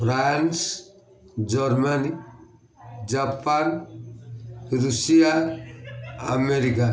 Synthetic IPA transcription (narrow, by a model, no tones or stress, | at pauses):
pʰɾans | d͡ʒɔɾmani | d͡ʒapan | ɾusija | a̰meɾika